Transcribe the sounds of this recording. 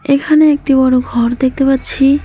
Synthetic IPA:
ekʰaneek̚ʈibɔɽoɡʱɔɾd̪ek̚ʰt̪epaɾːt͡ɕʰi

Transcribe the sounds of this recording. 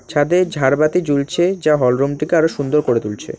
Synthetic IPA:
t͡ɕʰad̪ed͡ʑʱaɾbat̪id͡ʑult͡ɕʰed͡ʑaɦɔlɾumʈikeaɾoʃund̪oɾkoɾet̪ult͡ɕʰḛ

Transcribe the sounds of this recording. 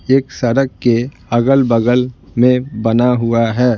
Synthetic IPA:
eːksɐɾəkke | ɐɡəlbəɡəlmẽbɐnaɦuaɦɛː

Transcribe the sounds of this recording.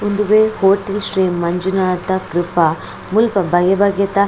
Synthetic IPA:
und̪uʋeːhoːʈelʃɾeːmːɐɲd͡ʒunaːt̪ɐkɾɪpɐ | mulpɐbʱɐjɐbɐɡjɐt̪ɐ

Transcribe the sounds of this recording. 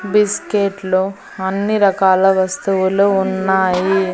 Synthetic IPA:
biskeʈlu | ɐnːiɾɐkaːlɐʋɐst̪uʋuluunːaːji

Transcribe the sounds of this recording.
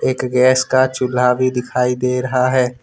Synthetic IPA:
eːkɡɛːskat͡ʃʊlaːʋid̪ɪkʰaːid̪eːɾɐɦaɦɛː

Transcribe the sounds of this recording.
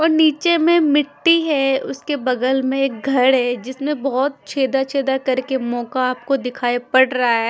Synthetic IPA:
ɔːɾniːt͡ʃemẽmɪʈːiɦɛʊ̰skebɐɡ̪əlmẽeːk̚ɡʱɐɽɦɛːd͡ʒɪsmẽbɔɦt̪̚t͡ʃʰeːd̪at͡ʃʰeːd̪akɐɾkemɔːkaːpkod̪ɪkʰaːepɐɽɾɐɦaɦɛː

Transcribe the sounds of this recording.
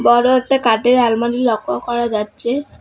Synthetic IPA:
bɔɾoet̪ekaʈeɾalmanilɔkʰːɔkɔɾad͡ʒatːɕʰe

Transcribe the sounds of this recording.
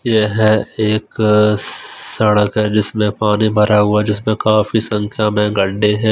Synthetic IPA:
jeɦɛeːk | sɐɽəkɦɛd͡ʒɪsmẽpaːnibʱɐɾʔaɦʊad͡ʒɪsmẽkaːfisɐ̃ŋkʰjamẽɡɐɖːeɦɛ̃ː

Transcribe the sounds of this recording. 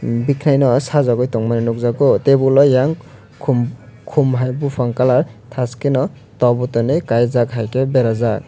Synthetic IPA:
bikʰnajnɔsazaɡɔjtɔŋmaninuk̚zaɡɔtebulɔjaŋʰ | mkʰumɦajbupʰaŋkalaɾtʰaskenɔ | tɔbɔtɔnejkajzakɦajkebɛɾaza

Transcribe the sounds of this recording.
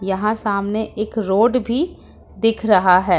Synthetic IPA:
jɐɦãsaːmneʔeːkɾoːɖbʱi | d̪ɪkʰɾɐɦaɦɛː

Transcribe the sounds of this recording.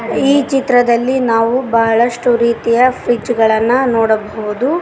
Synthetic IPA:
iːt͡ʃit̪ɾɐd̪ɐlːinaːʋubɐɦɐɭɐʂʈuɾiːt̪ijɐpʰɾid͡ʒɡɐɭɐnːunoːɽɐbɐɣud̪u

